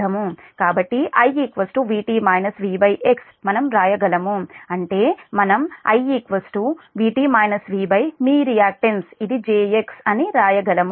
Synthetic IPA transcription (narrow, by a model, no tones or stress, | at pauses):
ɐmu | kaːbɐʈːiʔɐjiːkʋɐsʈuʋiːʈiːmɐːjnɐsʋiːbɐjʔeks | mɐnɐmɾaːjɐɡɐlɐmuɐɳʈe̞ːmɐnɐmɐ̰jikʋɐsʈuʋiːʈiːmɐːjnɐsʋiːbɐjmiːɾijaːk̚ʈɐnsid̪id͡ʒeːeksɐniɾaːjɐɡɐlɐm